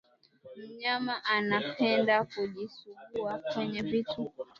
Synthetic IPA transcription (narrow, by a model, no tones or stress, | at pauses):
m̩ɲamaʔanapʰɛndakuʄisuɠuakwɛɲɛvitu